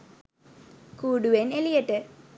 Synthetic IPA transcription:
kuːɽuʋenelijeʈːɨ

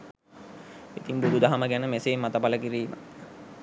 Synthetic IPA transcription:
it̪iŋbud̪ud̪aɦaməɡænəmeseːmːat̪əpaləkiɾiːmə̰

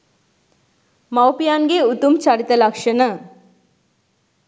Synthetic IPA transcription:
mawpijanɡeut̪ːumt͡ɕaɽit̪əlakʂɐnə

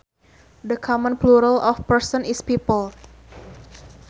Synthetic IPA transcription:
dəkʰɔmə̃npluɾalɔfpəɹsɔ̃nispipəl

